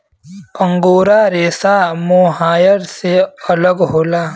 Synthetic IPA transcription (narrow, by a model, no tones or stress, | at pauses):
ə̃ŋɡoːɾaɾeːsamoɦaːjəɾseɐləɡɦoːlaː